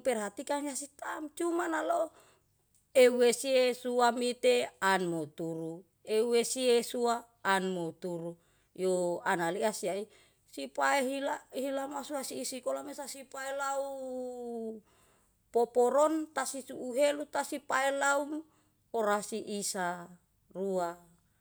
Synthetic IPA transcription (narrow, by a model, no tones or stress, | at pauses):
pɛrɦat̪ikaŋiasit̪amt͡ʃumanalo | euesiesuamit̪eanmot̪uɾu | euwesiesuaː | nmot̪uɾu | joanaliasiai | sipaeɦilaɦilamasuasiːsikolamesasipaelau | popoɾont̪asisuʔːɦelut̪asipaelaum | oɾasiʔisa | rua